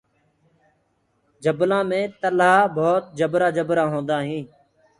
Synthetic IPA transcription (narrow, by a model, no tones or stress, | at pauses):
d͡ʒəblãːmẽːt̪əlaːbʱoːt̪̚d͡ʒəbɾaːd͡ʒəbɾãːɦõːnd̪aːɦĩː